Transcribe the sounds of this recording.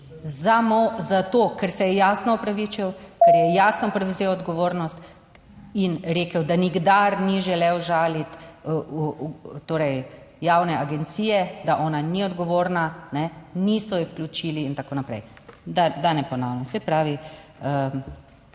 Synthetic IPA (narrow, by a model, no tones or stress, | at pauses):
zamozat̪oːkɛɾsɛjɛjaːsnɔupɾaʋit͡ʃiwkɛɾjɛjaːsnɔpɾɛwzeːwɔd̪ɡɔʋoːɾnɔst̪ | inɾeːkəwd̪aniɡd̪aɾniʒɛlɛwʒaːlit̪ut̪oːɾɛj | jawnɛaɡɛnt̪siːjɛd̪aʔɔːnaniɔd̪ɡɔʋoːɾnanɛnisɔjɛfklʲut͡ʃiːliːnt̪akoːnapɾɛ̰jd̪ad̪anɛpɔnawnɛsɛpɾaːʋiə